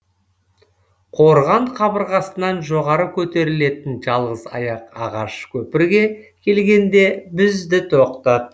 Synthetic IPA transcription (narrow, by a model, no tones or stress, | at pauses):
qʰo̞ɾʁɑɴqʰɑbəɾʁɑsənɑnʒoʁɑɾəkʲʰɵt̪e̞ɾɪle̞t̪ɪnʒɑlˠʁəzɑ̰jɑqɑʁɑʃkʲʰɵpɪɾɡʲe̞kʲʰe̞lɡʲe̞nd̪e̞bɪzd̪ɪt̪ʰo̞qt̪ɑd̪ə